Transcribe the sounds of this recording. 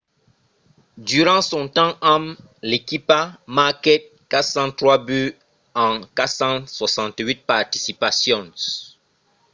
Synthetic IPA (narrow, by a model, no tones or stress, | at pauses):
dyʁɑ̃sɔ̃tɑ̃am | lekipamakɛt̚ | katsɑ̃tʁwaby | ɑ̃katsɑ̃swasɑ̃ntɥit̚paʁtisipasjɔ̃n